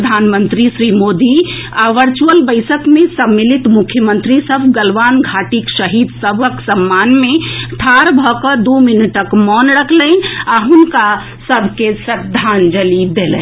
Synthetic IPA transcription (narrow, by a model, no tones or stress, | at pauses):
d̪ʱaːnmə̃nt̪ɾisɾimoːd̪i | aʋəɾt͡ʃuəlbəɪsəkmẽsəmːilit̪mʊkʰjəmə̃nt̪ɾisəbʱɡəlʋaːnɡʱaːʈikʃəɦid̪səbʱəksəmːaːnmẽʈ̪ʰaːɾbʱɔkəd̪ominəʈəkmɔnɾəkʰlənaɦʊnka | səbʱkesəd̪ʱːaːnd͡ʒəlid̪elə̰̃